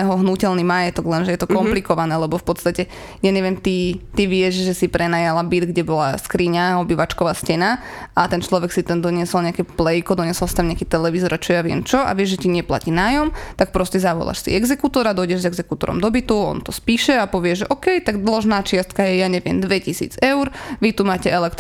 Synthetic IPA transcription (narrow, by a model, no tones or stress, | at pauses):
ɛɦɔɦnuːcɛlnimajɛt̪ɔɡlɛnʒɛjɛt̪ɔkɔmplikɔʋanɛːlɛbɔfpɔt̪st̪acɛ | jaɲɛʋɛmt̪it̪iʋɪɛʃʒɛsipɾɛnaːjalabid̪ɡɟɛbɔlaskɾiɲaɔbiʋat͡ʃkɔʋaːscɛnaʔat̪ɛnt͡ʃlɔʋɛksit̪amd̪ɔɲɪɛsɔlɲɛakɛplɛjkɔd̪ɔɲɛsɔlˠsi̥t̪amɲɛakit̪ɛlɛʋiːzɔɾat͡ʃɔjaʋɪɛ̰mt͡ʃɔa̰ʋɪɛʒʒɛciɲɪɛpla̰cinaːjɔmt̪ak̚pɾɔscɛzaʋɔ̰la̰ʃsḭɛɡzɛkut̪ɔɾad̪ɔjɟɛʒzɛɡzɛkut̪ɔ̰ɾɔ̰md̪ɔbit̪uɔ̰nt̪ɔspiːʃɛapɔʋɪɛʒʒɛʔɔkɛjt̪aɡ̚d̪l̩ʒnaːt͡ʃɪast̪kajɛjaɲɛʋɪɛ̰md̪ʋɛcisḭːd͡zɛʊɾʋit̪umaːcɛɛlɛkt̪